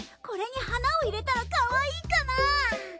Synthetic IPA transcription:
ko̞ɾe̞ɲ̟ihanao̞iɾe̞t̪aɾakaβaiːkana

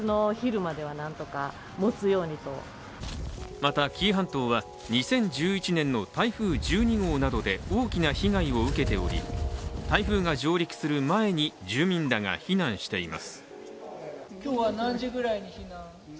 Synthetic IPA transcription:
ɨno̞çiɾɯ̟mad̪e̞βanãnt̪o̞ka | mot͡sɨjo̞ːɲ̟it̪o̞̰ | mat̪akʲʰiːɦãnt̪o̞ːβa | ɲ̟isẽ̞ɲ̟d͡ʑɨːit͡ɕinẽ̞nːo̞t̪aiɸɯːd͡ʑɨːɲ̟iɡo̞ːnad̪o̞d̪e̞o̞ːkʲinaçiɡaio̞ɯ̟ke̞t̪e̞o̞̰ɾʲḭt̪aiɸɯ̟ːŋaʑo̞ːɾʲiki̥sɨɾɯ̟mae̞ɲ̟id͡ʑɨːmʲĩnd̪aŋa̰çinãɰ̃ɕi̥t̪e̞ima̰sɨ̥ | kʲoːβanãɲd͡ʑiɡɯ̟ɾaiɲiçinã

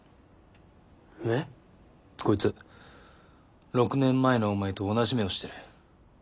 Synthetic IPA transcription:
ne | ko̞it͡sɨ | ɾo̞kɯ̟nẽ̞mːaeno̞omaet̪o̞ːnaʑimeo̞ɕi̥t̪e̞ɾɯ̟

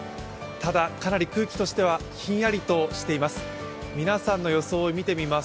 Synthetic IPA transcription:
t̪ad̪akanaɾʲikɯ̟ːkʲi̥t̪o̞ɕi̥t̪e̞βaçĩɰ̃jaɾʲit̪o̞ɕi̥t̪e̞imasɨ̥ | mʲinasãnːo̞jo̞so̞ːmʲit̪e̞mʲima

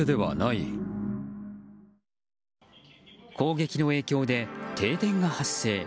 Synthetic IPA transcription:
ɯd̪e̞βa̰nai | kʰo̞ːɡe̞kʲino̞e̞ːkʲo̞ːd̪e̞t̪ʰe̞ːt̪ẽ̞ŋɡahasːe̞ː

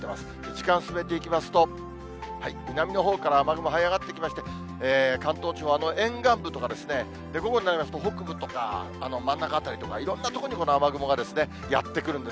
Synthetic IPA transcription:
ema̰sɨ̥ | ʑikãɰ̃sɨme̞t̪̬e̞ikʲimasɨ̥t̪o̞ | haimʲinamʲino̞ɦo̞ːkaɾaːmaɡɯ̟mo̞ɦaiaɡat̪ːe̞kʲimaɕi̥t̪e̞ | eːkãnt̪o̞ːt͡ɕioano̞ʔẽ̞ŋɡãmbɯ̟t̪o̞kad̪e̞sɨne̞ | d̪e̞ɡo̞ɡo̞ɲ̟inaɾʲimasɨ̥t̪o̞ɦo̞kɯ̟bɯ̟t̪o̞ka̰ː | no̞mãnːakat̪ːaɾʲit̪o̞kaiɾõ̞nːat̪o̞koɲ̟iko̞noamaɡɯ̟mo̞ɡad̪e̞sɨne̞ | ja̰t̪ːe̞kɯɾɯ̟̃nd̪e

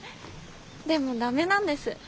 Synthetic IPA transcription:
d̪e̞mo̞d̪ame̞nãnd̪e̞sɨ

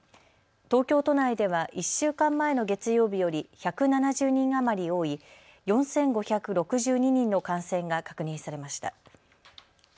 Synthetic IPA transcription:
t̪o̞ːkʲo̞ːt̪o̞naid̪e̞β̞aʔiɕːɨːkãmːae̞no̞ɡe̞t͡sɨjo̞ːbʲijo̞ɾʲiçakɯ̟nanaʑɨːɲ̟ĩŋamaɾʲio̞ːi | jõ̞ɰ̃sẽ̞ŋɡo̞çakɯ̟ɾo̞kɯ̟ʑɨːɲ̟iɲ̟ĩnːo̞kãɰ̃sẽ̞ŋɡakḁkɯ̟ɲ̟ĩɰ̃saɾe̞maɕi̥t̪a̰

